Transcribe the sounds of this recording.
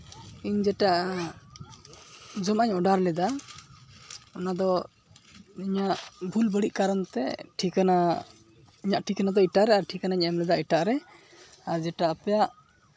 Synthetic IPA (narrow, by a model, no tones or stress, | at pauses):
iɲd͡ʒɛʈaʔ | d͡ʒɔmaɲɔɖaɾlɛd̪a | ɔnad̪ɔ | iɲaʔbʱulbəɽiʔ̚kaɾnt̪ɛ̰ʈʰikana | iɲaʔʈʰikanad̪ɔiʈaʔɾɛaɾʈʰikanaɲɛmlɛd̪aiʈaʔɾɛ | aɾd͡ʒɛʈaːpɛjaʔ